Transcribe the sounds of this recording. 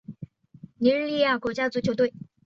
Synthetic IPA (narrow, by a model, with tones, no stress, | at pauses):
ni˧˥ɻ̩˥˧li˥˧ja˥˩kwɔ˧˥t͡ɕja˥t͡su˧˥t͡ɕʰjo˧˥t̪wɪ